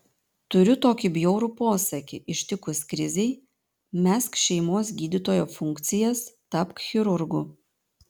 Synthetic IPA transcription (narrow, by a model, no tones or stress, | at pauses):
t̪ʊɾʲʊt̪oːkʲɪbʲjoʊɾuːpoːsɐkʲɪʔɪʃʲt̪ʲɪkʊsʲkɾʲɪzʲɛɪ | mʲæːskʃʲɛɪmoːs̬ɡʲiːd̪ʲit̪oːjoːfʊŋʲkt̪sʲɪjɛst̪ɐpkxʲɪɾʊɾɡʊ